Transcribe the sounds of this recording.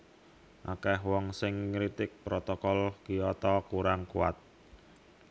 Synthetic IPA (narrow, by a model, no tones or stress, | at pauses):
ʔakɛɦwɔŋsɪŋːɾit̪ɪk̚pɾɔt̪ɔkɔlkiɔt̪ɔkuɾaŋkuwa̰t̪̚